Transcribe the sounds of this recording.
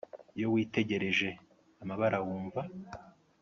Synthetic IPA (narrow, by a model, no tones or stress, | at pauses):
jo̞wiːte̞ɟe̞ɾe̞ʒe̞ | amaβaɾawuːɱva